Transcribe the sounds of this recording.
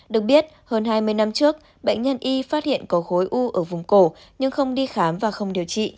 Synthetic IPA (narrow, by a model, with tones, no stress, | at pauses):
ɗɨ˨˩ək̚ɓi˦˥ət̚həː˧nɦaː˧jmɨ˧əjna˧mt͡ɕɨ˦˥ək̚ | ɓə̰˧˨jŋ̟ɲə˧nʔi˧faː˦˥t̚hḭ˧˨ənkɔ˨˦ɣo˨˦jʔu˧ʔəː˧˩vʊ˨˩ŋ͡mko˧˩ | ɲɨ˧ŋxə˧wŋ͡mɗi˧xaː˨˦mvaː˨˩xə˧wŋ͡mɗi˨˩əwt͡ɕḭ˧˨